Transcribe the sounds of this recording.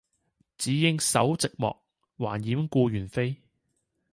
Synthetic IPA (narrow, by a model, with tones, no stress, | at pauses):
t͡siː˨˥jɪ˥ŋsɐ˨˥wt͡sɪ˨k̚mɔ̰ː˨k̚ | waː˨˩njiː˨˥mkuː˧jyː˨˩nfe˥j